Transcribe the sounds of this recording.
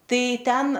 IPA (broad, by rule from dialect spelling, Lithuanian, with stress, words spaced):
ˈtɐɪ ˈtʲɛn